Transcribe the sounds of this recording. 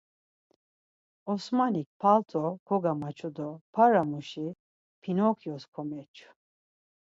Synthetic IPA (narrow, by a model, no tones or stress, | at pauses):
ɔsmanik̚pʰalt̪ʰɔkʰɔɡamat͡ʃʰɔd̪ɔpʰaɾamuʃi | pʰinɔkʰjɔskʰɔmɛt͡ʃʰu̥